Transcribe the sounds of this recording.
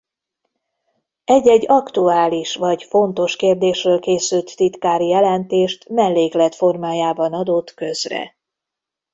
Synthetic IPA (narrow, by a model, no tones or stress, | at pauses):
ɛɟːɛɟːɒkt̪uaːliʃvɒɟfo̞nt̪o̞ʃkeːrd̪eːʃrøːlkeːsylt̪ːit̪kaːɾijɛlɛnt̪eːʃt̪mɛlːeːklɛt̪fo̞rmaːjaːbɒnɒd̪o̞t̪kø̞zrɛ̰